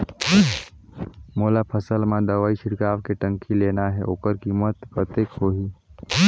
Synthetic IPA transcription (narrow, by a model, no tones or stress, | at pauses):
moːlapʰəsəlmãd̪ɐʋaːiʃɪɽkaːʋkeʈə̃ŋkileːnaɦɛʔoːkəɾkimət̪pɾət̪ekhoːɦiː